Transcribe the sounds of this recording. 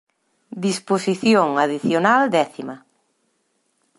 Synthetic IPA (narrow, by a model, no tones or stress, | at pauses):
d̪isposiθjoŋaðiθjonald̪ɛθima